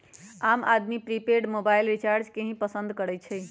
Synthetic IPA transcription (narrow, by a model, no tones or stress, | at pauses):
ama̰d̪mipɾipeɖmobailɾit͡ʃaɾd͡ʒkeɦĩpəsənd̪kəɾɛt͡ʃʰɛj